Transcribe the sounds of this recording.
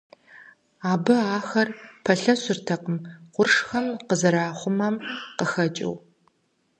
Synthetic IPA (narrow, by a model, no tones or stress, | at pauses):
aːbɨaːxɐrpʰɐɬɐɕɪrtʰɐqəmqʷʊrʂxɐmqəzɐɾaːχʷʊmɐmqəxɐt͡ʃʼɪ̰w